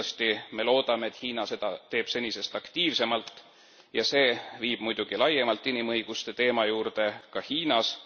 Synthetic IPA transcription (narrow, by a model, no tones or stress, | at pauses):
st̪ime̞lo̞ːd̪̥ɑme̞ːt̪hiːnɑse̞d̪̥ɑt̪e̞ːb̥se̞nʲise̞st̪ɑkt̪iːvse̞mɑlt̪ːˑ | jɑse̞ːviːb̥mujd̪̥uɡ̥ilɑjemɑlt̪ˑːinʲimɤjɡ̥ust̪e̞t̪e̞ːmɑjuːɾd̪e̞kɑhiːnɑs